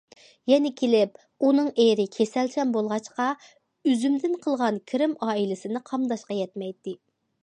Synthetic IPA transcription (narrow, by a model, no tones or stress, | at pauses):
jɛnɪkʲʰelɪp̚ | unɨŋeɾɪkʲʰesɛlsɛmbolˠʁɑt͡ʃqɑ | yzymd̪ɪnqʰəlˠʁɑnkʲʰiɾɪmɑːilɪsɪnɪqʰɑmd̪ɑʃqɑjɛt̪mɛjt̪ːɪ